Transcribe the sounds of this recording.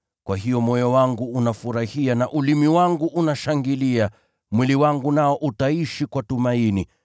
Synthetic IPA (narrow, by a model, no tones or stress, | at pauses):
kwaɦijɔmɔjɔwaŋɡuːnafuɾahianaʔulimiwaŋɡuʔunaʃaŋɡilia | mwiliwaŋɡunaɔʔutaiʃikwatumaini